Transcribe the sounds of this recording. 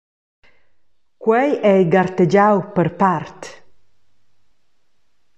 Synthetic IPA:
kwɛjɛjɡaɾt̪ed͡ʒawpəɾpaɾt̪

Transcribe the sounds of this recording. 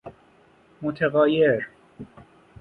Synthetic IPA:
mot̪ʰeɣɒːjeɾ

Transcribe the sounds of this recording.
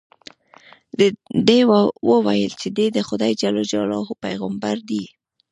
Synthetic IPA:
d̪ewəwajəlt͡ʃed̪ed̪əxʊd̪ɑjd͡ʒalod͡ʒɑlɑhopajɣambaɾd̪i

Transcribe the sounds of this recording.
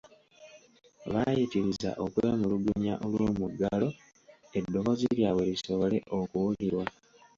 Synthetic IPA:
βajitiɾiza̰ʔo̞kuβemuluɡuɲaʔolwoːmuɡːalo̞ | e̞dːo̞βo̞ziljaβweliso̞βole̞ʔo̞kuwuliɾwa

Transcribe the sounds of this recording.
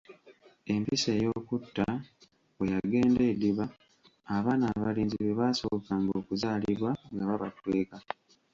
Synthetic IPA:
e̞mpise̞ːjo̞ːkutːa | wwejaɡe̞ːnde̞ːdiβaː | βaːnaːβaliːnziβeβasookaŋɡoːkuzaːliβwaŋɡaβaβa̰twe̞ːka

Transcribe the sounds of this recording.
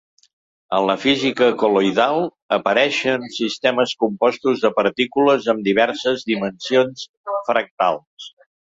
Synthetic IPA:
ənləfizikəkulojðalˠ | əpəɾɛʃənsist̪ɛməskumpɔst̪uzðəpəɾt̪ikuləzəmd̪iβ̞ɛɾsəzðimənsions | fɾək̚t̪alˠs

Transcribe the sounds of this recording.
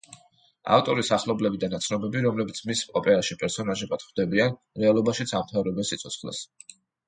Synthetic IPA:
a̰ft̪ʼɔɾisaχlˠɔblɛbid̪anat̪sʰnɔbɛbiɾɔmlɛbit̪sʰmisɔpʼɛɾaʃipʼɛɾsɔnaʒɛbad̪̥χd̪ɛbian | ɾɛalˠɔbaʃit̪sʰamt̪ʰavɾɛbɛsit̪sʰɔt̪sʰχlɛ̰s

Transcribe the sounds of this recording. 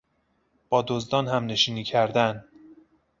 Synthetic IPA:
b̥ɒːd̪ozd̪ɒːnhæmne̞ʃiːniːcʰæɾd̪æn

